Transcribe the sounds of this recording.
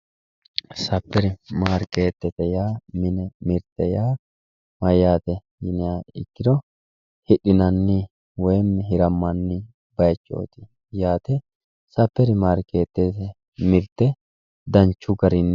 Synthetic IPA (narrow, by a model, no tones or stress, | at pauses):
sɐpːɛɾɪmaːɾkeːt̪ːɛt̪ɛjaːmɪnɛmɪɾt̪ːɛjaː | mɐjaːt̪ɛ | jɪnɪjaɪ̰kːɪd̪ɔ | hɪɗɪnɐnːɪ | wɔjmːɪɦɪɾɐmːɐnːɪ | bɐjt͡ʃːo̰ːt̪ɪ̥ | jaːt̪ɛ | sɐpːɛɾɪmaːɾke̞ːt̪ːɛt̪ɛ | mɪɾt̪ːɛ | d̪ɐnt͡ʃːʊɡɐɾɪnː